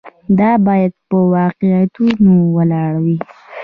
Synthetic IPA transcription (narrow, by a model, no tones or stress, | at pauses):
d̪ɑbɑjad̪̚pəwɑqejat̪unowəlɑɽawi